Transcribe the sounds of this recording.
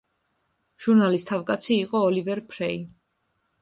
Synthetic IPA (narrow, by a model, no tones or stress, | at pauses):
ʒ̥uɾnalist̪ʰavkʼat̪sʰiːqʼɔːlivɛɾpʰɾɛi